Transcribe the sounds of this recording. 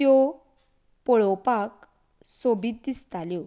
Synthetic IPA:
jɔ | pɔɭɔpak̚ | sobʱit̪̚d̪ist̪aljo

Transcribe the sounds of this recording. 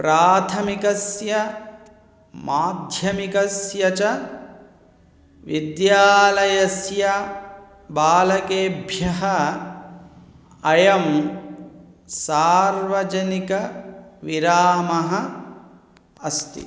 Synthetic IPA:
pɾaːt̪ʰɐmikɐsjɐ | maːd̪ʱjɐmikɐsjɐt͡ʃɐ | ʋid̪jaːlɐjɐsjɐ | baːlɐkeːbʱjɐɦɐ | ɐjɐm | saːɾʋɐd͡ʒɐnikɐʋiɾaːmɐɦɐ | ɐst̪ḭ

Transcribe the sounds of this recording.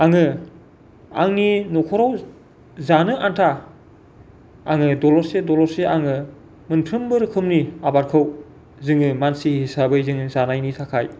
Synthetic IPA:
aŋɯ | a̰ŋninɔkʰɔɾaw | zanɯʔantʰa | aŋɯdɔlɔɾsedɔlɔɾseʔaŋɯ | mɯnpʰɾɯmbɯɾɯkʰɯmniabaɾkʰɯw | zɯŋɯmansihisabɯjzɯŋɯzanajnitʰakʰaj

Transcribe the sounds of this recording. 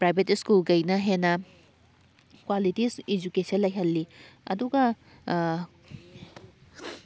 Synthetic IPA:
pɾajbʱetskulɡɐjnɐɦenɐ | kwalitisid͡ʒukesɐnlɐjɦɐlːiɐ̰duɡɐ

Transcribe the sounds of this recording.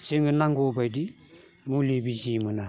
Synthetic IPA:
seŋɡɯnaŋɡobajdi | mulibid͡ʒimɯna

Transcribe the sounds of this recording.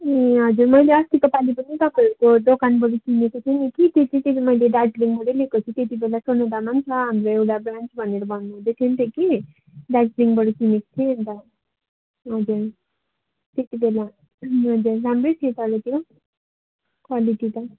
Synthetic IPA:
eɦʌd͡zurmʌjleʌst̪ikʌpalipʌnit̪ʌpaiɾukod̪okanbʌɽikinekot̪ʰenikit̪et͡sʰit̪esimʌjleɖad͡zliŋɡbʌɽʌlekot̪ʰĩt̪et̪ibelasoned̪amant͡sʰʌɦamɾoewʈabrant͡sbʱʌneɾʌbʱʌnːuɦũd̪et̪ʰient̪ʌkine | ɖad͡zliŋɡbʌɽikineko̥t̪ʰient̪ʌ | ɦʌd͡zuɾ | t̪et̪ibela | ɦʌd͡zurlamret̪ʰiet̪ʌlet̪ijo | kwaliʈit̪ʌ

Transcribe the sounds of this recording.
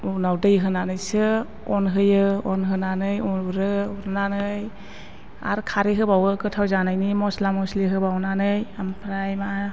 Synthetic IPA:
unawdɯjɦɯnanɯjsɯ | ɔnɦɯjɯɔnɦɯnanɯjɔɾɯuɾɯnanɯj | a̰ɾkʰaɾiɦɯbawɯkɯtʰawzanajnimɔslamɔsliɦɯbawnanɯjampʰɾajma

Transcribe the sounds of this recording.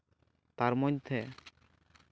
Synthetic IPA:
t̪aɾmɔɲd̪ʱe

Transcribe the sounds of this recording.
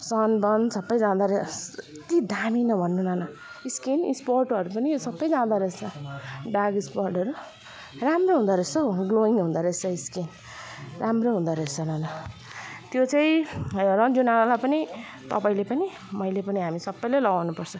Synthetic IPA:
sʌnbʌnsʌbːʌjd͡zãd̪aɾʌ | t̪id̪aminʌbʱʌnːunʌnʌiskinḭsporʈʌɾupʌnisʌbːʌjd͡zãd̪aɾʌt͡sʰʌɖaɡisporʈʌɾu | ramroɦũnd̪aɾʌt͡sʰʌɡloiŋɡɦũnd̪aɾʌt͡sʰʌiskin | ramroɦũnd̪aɾʌet͡sʰʌnʌnʌ | t̪jot͡saĩɾʌd͡zunalalajpʌni | t̪ʌpaĩlepʌni | mʌjlepʌniɦamisʌbːʌjlajlʌɡawnupʌrt͡sʰʌ

